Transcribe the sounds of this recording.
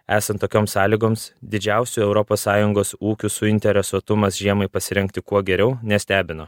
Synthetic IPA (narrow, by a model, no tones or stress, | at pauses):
æːsɐnt̪ːoːkʲoːmsɑːlʲiːɡoːmsd̪ʲɪd͡ʒʲæˑʊsʲuɛʊɾɔpoːsːɑːjʊŋɡoːsuːkʲusʊɪnʲt̪ʲɛɾʲɛsuɔt̪ʊmɐsʒʲiɛmɐɪpɐsʲɪɾʲɛŋkt̪ʲɪkuɔɡʲɛɾʲɛʊnʲɛsʲt̪ʲæːbʲɪno